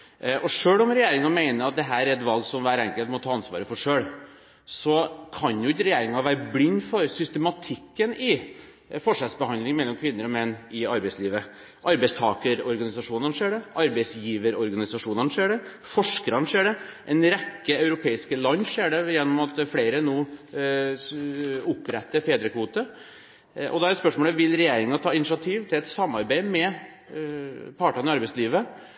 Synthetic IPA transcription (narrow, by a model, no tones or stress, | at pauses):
ʔɔʂøːɽɔmɾɛjeːɾɪŋɑmeɪnəɾɑt̪̚d̪ɛɦæːɾæɾɛt̪ʋɑlɡsɔmʋæːɾɛŋkəlt̪mɔt̪ʰɑːɑnsʋɑ̰ːɾəfɔʂøːɭ | sɔkʰɑnjʊɪtːəɾɛjeːɾɪŋɑʋæːɾəblɪnfɔɾsʏst̪ɛmɑt̪ʰɪkːənɪ | fɔʂɛlsbəhɑnd̪lɪŋmɛlːɔmkʰʋɪnːəɾɔmɛnːɪɑɾbæɪsliːʋə | ʔɑɾbɛɪst̪ʰɑːkəɾɔɾɡɑnɪsɑʂuːnənʂeːɖɛʔɑɾbɛɪsjiːʋəɾɔɾɡɑnɪsɑʂuːnənʂeːɖɛ | fɔʂkəɾɑnʂeːɖɛʔɛnɾɛkːəɑʉɾʊpʰeːɪskəlɑnːʂeːɖɛjɛnːɔmɑt̪fleːɾənuː | ʊpːɾɛt̪ːəɾfeːd̪ɾəkʰʋuːt̪ə | ʔɔ̰d̪ɑːɾɛt̪spœʂmoːləʋɪlɾɛjeːɾɪŋənɑt̪ʰɑːɪnɪʂɑt̪ʰiːʋt̪ʰɪlɛt̪sɑmːɑɾbæɪmɛ | pʰɑʈɑnəɪɑɾbɛɪsliːʋə